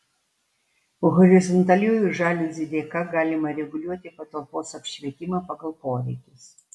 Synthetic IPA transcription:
ʊɣɔɾʲɪzɔnt̪ɐlʲuːjʊʒɑːlʲʊzʲɪd̪ʲeːkɑɡɑːlʲɪmɐɾʲɛɡʊlʲuɔt̪ʲɪpɐt̪ɐlˠpoːsɐpʲʃʲʋʲiɛt̪ʲimɐpɐɡɐlˠpoːɾʲɛɪkʲɪs

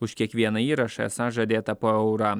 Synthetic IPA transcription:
ʊʃkʲiɛkʋʲiɛnɐiːɾɐʃɐɛsɐʒɐd̪ʲeːt̪ɐpoːɛʊɾɑː

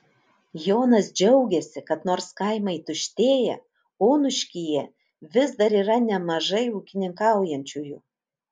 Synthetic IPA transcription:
joːnɐsd͡ʒʲɛʊɡʲɛsʲɪkɐt̪noːɾskɑɪmɐɪt̪ʊʃʲt̪ʲeːjɛ̰ | oːnʊʃʲkʲijɛ | ʋʲɪsd̪ɐɾiːɾɐnʲɛmɐʒɐɪuːkʲɪnʲɪŋkɑˑʊjɛnʲt͡ʃʲuːjuː

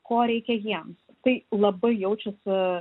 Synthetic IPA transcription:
koːɾʲɛɪkʲɛjiɛms | t̪ɐɪlˠɐbɐɪjɛʊt͡ʃʲʊs

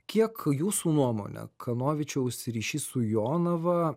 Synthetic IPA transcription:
kʲiɛkjuːsuːnuɔmo̰ːnʲɛ̰kʰɐnoːʋʲɪt͡ʃʲɛʊʃʲsʲɪɾʲiːʃʲiːsʊjoːnɐʋɐ

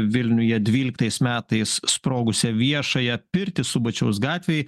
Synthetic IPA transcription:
ʋʲɪlʲnʲʊjɛd̪ʲʋʲiːlʲɪkt̪ɐɪsmʲæːt̪ɐɪsspɾoːɡʊsʲɛʋʲiɛʃɐjɛpʲɪɾʲt̪ʲɪsʊbɐt͡ʃʲɛʊs̬ɡɑːt̪ʲʋʲej

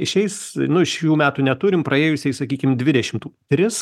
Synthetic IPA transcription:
ɪʃʲɛɪsnʊɪʃjuːmʲæːt̪uːnʲɛt̪uɾʲɪmpɾɐeːjʊsʲɛɪsɐkʲiːkʲɪmd̪ʲʋʲɪd̪ʲɛʃʲɪmt̪uːt̪ʲɾʲɪs

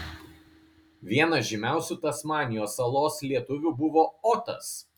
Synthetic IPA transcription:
ʋʲiɛnɐʒʲɪmʲæˑʊsʲuːt̪ɐsmɑːnʲɪjoːsɐlˠoːslʲiɛt̪ʊʋʲubʊʋoːɔt̪ɐ̰s

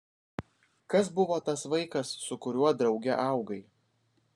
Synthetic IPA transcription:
kɐsbʊʋoːt̪ɐsʋɐɪkɐsːʊkʊɾʲuɔd̪ɾɒʊɡʲɛ̰ʔɑˑʊɡɐɪ

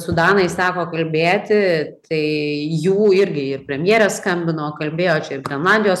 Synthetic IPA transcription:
sʊd̪ɑːnɐɪssɑːkoːkɐlʲbʲeːt̪ʲɪt̪ʰɐɪjuːɪɾʲɡʲɪɪrpʲɾʲɛmʲjeːɾʲɛsskɐmʲbʲɪnoːkɐlʲbʲeːjoːt͡ʃʲɛɪrɡʲɾʲɛnlˠɑːnʲd̪ʲɪjoːs

